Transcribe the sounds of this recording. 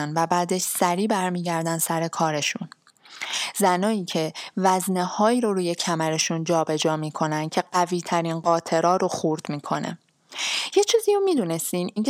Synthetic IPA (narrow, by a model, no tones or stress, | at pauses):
nvæbæːd̪eʃsæɾiːbæɾmiːɟæɾd̪ænd̪sæɾe̞kʰɒːɾe̞ʃun | zænɒːiːcʰe̞væznehɒːiːɾoɾuːje̞cʰæmæɾe̞ʃund͡ʒɒːbe̞d͡ʒɒːmiːkʰo̞næn̚cʰe̞ɢæviːt̪ʰæɾinɢɒːt̪ʰe̞ɾɒːɾoxuːɾd̪̥miːkʰo̞nḛ | je̞t͡ʃʰiːziːɾomiːd̪uːnest̪iːniŋc